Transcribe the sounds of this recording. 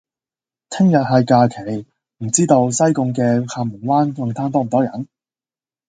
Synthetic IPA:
t̪ʰɪ˥ŋjɐ˨t̚ɦɐ˨jkaː˧kʰe˨˩j | m̩˨˩t͡siː˥t̪o˧wsɐ˥jkʊ˧ŋkɛː˧kʰaː˧mʊ˨˩nwaː˥nkʊ˨˧ŋt̪ʰaː˥nt̪ɔː˥m̩˨˩t̪ɔː˥jɐ˨˩˦n

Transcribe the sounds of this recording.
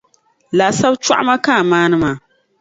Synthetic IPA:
laː˨sa˦bt͡ʃa̰˦ʔma˦kaː˦˨maː˦nɨ˦maː˨

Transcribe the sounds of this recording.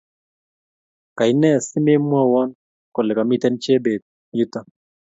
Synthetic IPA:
ka˨ɪ˨nɛ˦˨sɪ˦me˦mwɔ˦wɔ˦n | kɔ˨lɛ˨ka˨mi˦t̪ɛ˦nt͡ʃe˦be˨d̪̚ | ɲu˦t̪a˨

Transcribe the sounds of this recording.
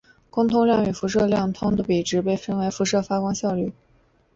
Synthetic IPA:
kʊ˥ŋt̪ʰʊ˥ŋljɑ˥˩ŋy˨˩fu˧˥ʂɤ˥˧ljɑ˥˩ŋt̪ʰʊ˥ŋd̪ə˨pi˨˩ʈ͡ʂɻ̩˧˥pe˥˩ɪfə˥nwe˧˥ɪfu˧˥ʂɤ˥˩fa˥kwɑ˥ŋɕjɑ˥˧ʊly˥˩

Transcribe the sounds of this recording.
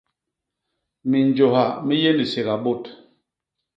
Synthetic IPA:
mi˨nd͡ʒo˨ha˨mi˦je˦ndi˨se˨ɣa˨bo˦˨t

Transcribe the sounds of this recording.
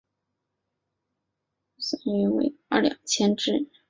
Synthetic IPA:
sa˥˩ny˧˥wḛ˧˩ɪə̰˥˩ljɑ̰˨˩ŋt͡ɕʰjɛ˥nʈ͡ʂɻ̩˥˩

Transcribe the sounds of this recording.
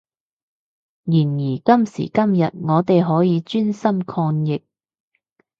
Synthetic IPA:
jiː˨˩njiː˨˩kɐ˥msḭː˨˩kɐ˥mjɐ˨t̚ŋɔː˨˧t̪e˨jɦɔː˨˥jiː˨˧t͡ʃyː˥nsɐ˥mkʰɔː˧njɪ˨k̚

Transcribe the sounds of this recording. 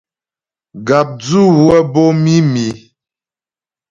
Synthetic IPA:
ɡa˨p̚d͡zu˦wwɛ˦bo˦mi˦mi˨

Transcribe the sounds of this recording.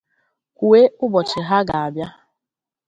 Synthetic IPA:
kʷu˨e˦ʊ˦bɔ˨t͡ʃɪ˨ɦa˦ɡa˨a˨bja˦

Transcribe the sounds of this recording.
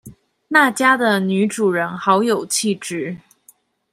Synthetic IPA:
na˥˩t͡ɕja˥d̪ə˨ny˧˥ʈ͡ʂu˨˩ɻə˧˥nxɑ˧˥ʊjo˨˩ʊt͡ɕʰi˥˩ʈ͡ʂɻ̩˥˩

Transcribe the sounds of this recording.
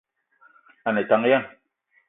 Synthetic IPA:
a˨ne˨ta˨˦ŋ˦ja˦n

